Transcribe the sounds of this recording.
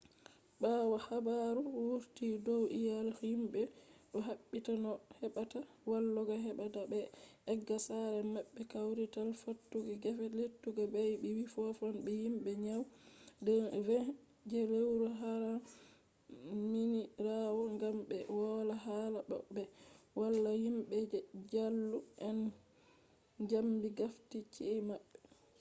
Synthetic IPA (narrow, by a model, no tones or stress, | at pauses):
ɓawahabaɾuwuɾtidɔwijalimbɛɗɔɦaɓːitanɔhɛɓata | walːɔɡaɦɛɓatabɛʔɛɡːasaɾɛmaɓːɛkawɾitalfotːuɡiɡɛfɛletːuɡabajbɛwifɔfɔnɓɛjimɓɛɲawdɛvɛ | d͡ʒɛɾewɾɔɦaɾa | miniɾawɔŋɡamɓɛwɔlaɦalaɓɔ̰ɓːɛwalːahimɓɛd͡ʒalːuʔɛn | d͡ʒambiɡaftit͡ʃiimaɓːɛ